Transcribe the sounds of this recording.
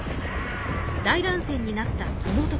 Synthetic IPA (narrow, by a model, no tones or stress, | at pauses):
d̪aiɾãɰ̃sẽ̞ɲ̟ːinat̪ːasonot̪o